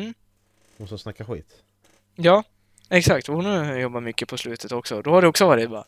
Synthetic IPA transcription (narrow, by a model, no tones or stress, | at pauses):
m̩ː | ɔsɔsnakːaɧḭːt̪ | jɑː | ɛksakt̪ɔhʊnʉjɔbːaɾmʏkːəpʰɔslʉ̟ːt̪ʰət̪ɔksɔd̪ɔhaɖɛɔksɔvɑːɾɪt̪̚bɑɾa